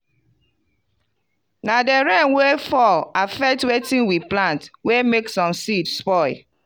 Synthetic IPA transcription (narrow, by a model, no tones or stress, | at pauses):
nadeɹɛ̃nwefɔlafɛk̚twetĩnwiplãntwemeksɔ̃msidspɔɪ